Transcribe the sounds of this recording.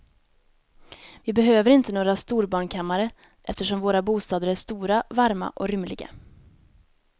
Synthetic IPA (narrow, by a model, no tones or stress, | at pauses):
vɪbɛɦøːvəɾɪnt̪ənoːɡɾast̪uːɾbɑːɳkʰamːaɾə | ʔɛft̪əʂɔmvoːɾabuːst̪ɑːd̪əɾæʂt̪uːɾavaɾma̰ʔɔ̰ɾʏmlɪɡa̰